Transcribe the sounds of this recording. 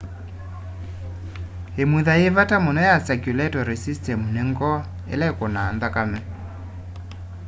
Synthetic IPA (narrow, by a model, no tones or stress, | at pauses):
emuðaevatamonɔjasakjulɛtɔɾisistɛmuneŋɡɔ | ḛlɛkonaːnðakamɛ